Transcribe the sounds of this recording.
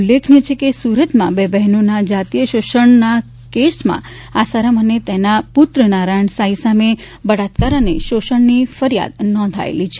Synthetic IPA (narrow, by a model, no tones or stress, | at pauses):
ulːekʰnet͡ʃʰekesuɾət̪mãbebɛɦnonad͡ʒat̪ijəʃoʃəɳna | kesmã̰ | asaɾəmənet̪enapʊt̪ɾənaɾaɳsaisame | bəɽat̪kaɾəneʃoʃəɳnifəɾija̰d̪nɔ̃nd̪ʱa̰ḛlit͡ʃʰe